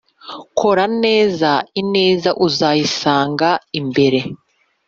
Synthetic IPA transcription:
kʰo̞ɾane̞ːzaine̞ːzaʔuzajisaːŋɡaimbe̞ɾe̞

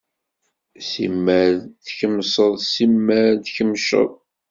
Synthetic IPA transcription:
simːæɾθçəmsˤəðˤsimːæɾðçəmʃə̰ðˤ

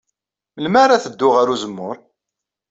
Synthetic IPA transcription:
məlmaɾaθəd̪ːʊʁaɾuzəmːʊɾ

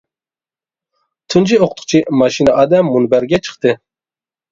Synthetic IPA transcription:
t̪ʰund͡ʒioqt̪ʰʊ̥qt͡ʃʰimɑʃinɑʔɑːd̪ɛmːunbɛɾɡʲɛt͡ʃʰɨ̥χt̪ɨ

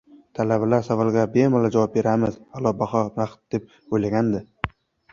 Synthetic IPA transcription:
t̪ʰalabalaɾsavɒlˠɡʲabemɒlad͡ʒavɒp̚be̞ɾamɪzhalˠɒbaχɒɾaχt̪̚d̪e̞p̚ | ojlaɡʲand̪ɪ

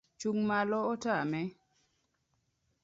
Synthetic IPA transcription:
t͡ʃuŋmalɔɔtamɛ

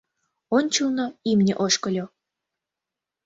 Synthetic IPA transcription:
onʲt͡ɕəlnoimnʲḛʔoʃkɤ̆lʲo

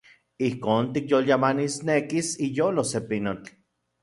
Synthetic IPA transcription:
ihkoːnt̪ikjoljamanisnekisijoːlosepinot͡ɬ

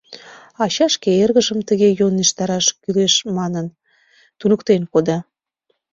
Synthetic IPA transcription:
ɑɕɑʃkeerɣəʒəmt̪əɣejoneʃt̪ɑɾɑʃkyleʃmɑnən | t̪unəkt̪enkod̪ɑ

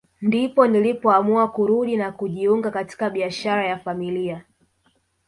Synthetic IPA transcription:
ndipɔnilipɔamuakuɾuɗinakuʄiuŋɡakati̥kaɓiaʃaɾajafamilia

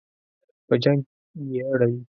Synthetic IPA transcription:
pəd͡ʒãŋ | jeaɽawi

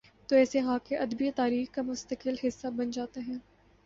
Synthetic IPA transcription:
t̪oɛːseɦãːkeʔɐd̪biet̪aːɾiːxkamʊst̪əkɪlɦɪsːabɐnd͡ʒaːt̪eɦɛ̃ː

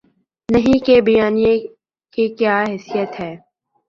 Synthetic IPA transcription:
nɐɦĩkebijaːnije | kikjaːɦɛsijət̪ɦɛː

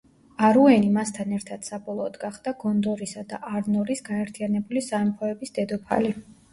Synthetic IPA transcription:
aɾuɛnimast̪ʰanɛɾt̪ʰad̪̥sabɔlˠɔːd̪ɡaχd̪̥aɡɔnd̪ɔɾisad̪aʔaɾnɔɾisɡaɛɾt̪ʰijanɛbulisaɛmpʰɔɛbisd̪̥ɛd̪ɔpʰa̰li

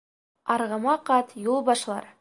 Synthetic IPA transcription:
ɑɾʁɑmɑqɑt̪jolˠbɑʃlˠɑ̰ɾ

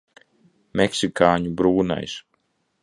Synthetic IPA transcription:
mɛksikaːɲubɾuːna̰js

